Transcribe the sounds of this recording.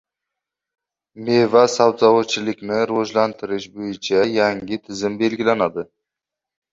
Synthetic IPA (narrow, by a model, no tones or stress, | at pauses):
me̞vasabzawat͡ʃʰɪlɪkʲnɪɾoʒlant̪ʰɪɾɪʃbojɪt͡ʃʰajaŋɡʲɪt̪ʰɪzɪmbe̞lɡʲɪlanad̪ɪ